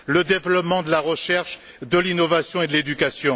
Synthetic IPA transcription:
ləd̪evlɔpmɑ̃d̪əlaʁəʃɛʁʃ | d̪əlinɔvasjɔ̃ed̪əled̪ykasjɔ̃

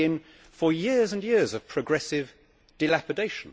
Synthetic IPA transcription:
ɪ̃n | fəjɪəzə̃njɪəzəv̥pʰɹ̥əɡɹɛsɪv | d̥ɨlæpɨdeɪʃə̃n̩

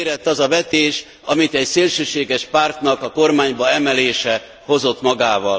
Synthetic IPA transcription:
ɾɛt̪ːɒzɒvɛt̪eːʃ | ɒmit̪ɛcseːlʃøːʃeːɡɛʃpaːrt̪nɒkɒko̞rmaːɲbɒɛmɛleːʃɛ | ho̞zo̞t̪mɒɡaːvɒl

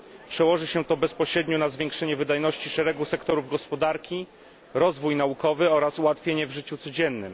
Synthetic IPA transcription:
pʂɛwɔʐɘɕɛt̪ɔbɛspɔɕɾɛd̪ɲɔnazvʲjeŋkʂɛɲɛvɘd̪ajnɔɕt͡ɕiʂɛɾɛɡusɛkt̪ɔɾuvɡɔspɔd̪aɾkʲi | ɾɔzvujnaukɔvɘɔɾasuwat̪fʲjeɲɛvʐɘt͡ɕut̪sɔd͡ʑɛnːɘm

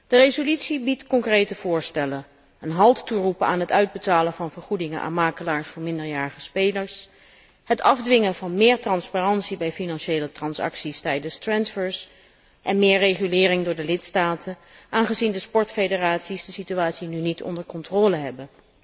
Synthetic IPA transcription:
d̥ərejzolytsibitkɔŋkrejtəv̥ʊːɹstɛlən | ənɦɑlˠtturupəa̰ːnɦətœɥd̚bətaːlənvɑnvəɹχudɪŋənʔa̰ːnmaːkəlaːɹsfʊːɹmɪndəɹjaːɹəχəspejləɹs | hətɑvdʋɪŋənvɑnmɪːɹtrɑnspaːrɑnsibɛjfinɑnʃejlətrɑnsɑ̰ksistɛjdənstrɛnsfəɹs | ʔɛnmɪːɹrejχylɪːrɪŋdʊːɹdəlɪtstaːtʰənʔaːnχəzindəspɔɹtfejdəraːtsisdəsityaːtsinynitʰɔ̰ndəɹkɔntrɔːləɦɛbən

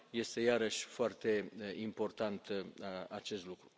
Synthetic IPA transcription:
je̞st̪e̞jaɾəʃʲfoart̪e̞impo̞rt̪ant̪at͡ʃe̞st̪lukɾu

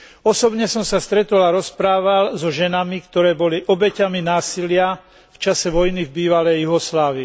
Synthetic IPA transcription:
ɔsɔbɲɛsɔmsast̪ɾɛt̪ɔlaɾɔspɾaːʋalzɔʒɛnamikt̪ɔɾɛːbɔliʔɔbɛcaminaːsilɪa | ft͡ʃasɛʋɔjnivbiːʋalɛjjuɦɔslaːʋi

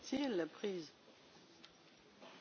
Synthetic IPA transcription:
t̪elapχiːz

